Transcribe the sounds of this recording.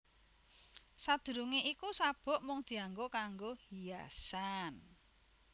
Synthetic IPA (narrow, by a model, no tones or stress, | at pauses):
sad̪̥ṳɾuŋeʔikusab̥ɔ̤ʔmʊŋd̪̥i̤aŋɡokaŋɡohijasan